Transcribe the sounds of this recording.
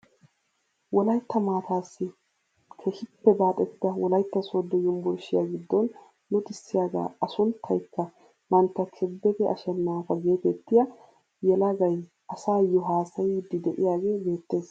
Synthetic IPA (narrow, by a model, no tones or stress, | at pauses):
wɔlɐjt̪ːɐmaːt̪aːsːɪ | kʰɛhɪpːɛbaːt̪ʼːɛt̪ːɪd̪ɐwɔlɐjt̪ːɐsod̪ːɛjʊmbʊɾʃɪja̰ɡɪd̪ːɔnː | ʊt̪ʼɪsːɪjaːɡa̰ːɐsʊnt̪ʰːɐjkːɐ | mɐnt̪ːɐkʰɛbːɛɡ̪ɛʔɐ̰ʃɛnːaːfɐɡeːt̪ɛt̪ːɪja | jɛlɐɡɐj | ʔɐsaːjːɔɦaːsɐjid̪ɪd̪ɛʔɪjaːɡe̞ːbe̞ːt̪ːe̞ːs